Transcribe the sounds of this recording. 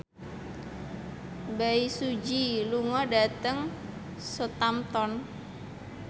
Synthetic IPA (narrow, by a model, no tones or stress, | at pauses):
baisud͡ʒiluŋɔɖa̤t̪əŋ | sot̪amt̪ɔn